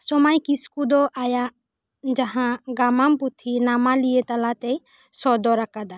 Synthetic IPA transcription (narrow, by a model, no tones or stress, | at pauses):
sɔmajkiskud̪ɔʔaja | d͡ʒaɦãɡamamput̪ʰinamalijet̪alat̪ɛj | sɔd̪ɔɾakad̪a